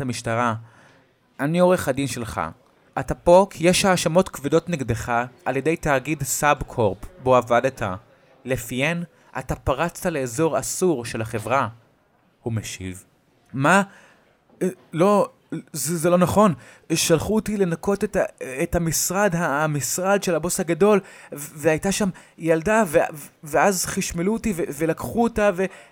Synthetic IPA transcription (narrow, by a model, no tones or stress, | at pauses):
amiʃtaʁa | anio̞ʁeχadinʃe̞lχa̰ | ʔatapo̞kjeʃaːʃamo̞tkvido̞tneɡdeχaʔaljede̞jtaːɡidsabkʰoʁpboavadatʰa | lefijen | ʔa̰tapaʁat͡stale̞ːzo̞ʁa̰suʁʃe̞laχe̞vʁa | humeʃḭv | ma | lo̞ | zezelo̞naχo̞n | ʃalχutile̞nako̞tetaethamisʁadɦamisʁad̪ʃelhabo̞shaɡado̞lveajtaʃam | jaldaveveazχiʃmelutiveve̞lakχuotave̞